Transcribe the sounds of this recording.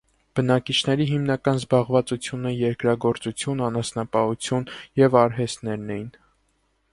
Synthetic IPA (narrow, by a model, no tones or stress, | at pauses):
b̥ənɑkit͡ʃʰnɛɾiɦimnɑkɑnzbɑʁvɑt͡sut͡sʰjunəjɛɾkɾɑɡɔɾt͡sut͡sʰjunɑnɑsnɑpɑhut͡sʰjunjɛvɑɾɦɛst̪nɛɾnɛjin